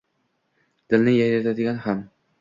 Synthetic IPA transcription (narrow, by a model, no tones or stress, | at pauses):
d̪̥ɪ̆lnɪjajnat̪ad̪ɪɡʲanham